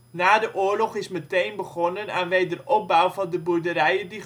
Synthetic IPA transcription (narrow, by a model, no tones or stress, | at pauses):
naːdəʔʊːɹlɔχɪsmətejnbəχɔnənaːnʋejdərɔp̚bawvɑndəbuɹdəɾɛjədi